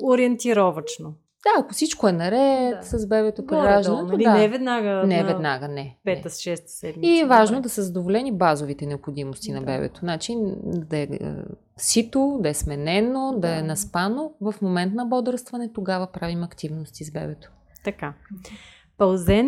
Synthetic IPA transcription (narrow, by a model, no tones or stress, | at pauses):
oɾiɛnt̪iɾɔvɐt͡ʃno | d̪̥aɐkofsit͡ʃkoɛnɐɾɛt̪səzbɛbɛt̪opɾɾaʒd̪ənood̪aɛvɛd̪naɡənɛvɛnaɡənɛpɛt̪əsʃɛst̪sɛmiiɛvaʒnod̪ɐsəzɐd̪ovolɛnibazovit̪ɛnɛopxod̪imost̪inɐbɛ̰bɛ̰t̪o̥nat͡ʃid̪ɐɛə̰ | sit̪od̪ɐɛsmɛnɛnod̪ɐɛnɐspanovɐfmomɛnt̪nɐbɔd̪ɾəst̪vɐnɛt̪oɡavəpɾavimɐkt̪ivnost̪izbɛ̰bɛt̪o̥ | t̪ɐka | pɐlˠzɛn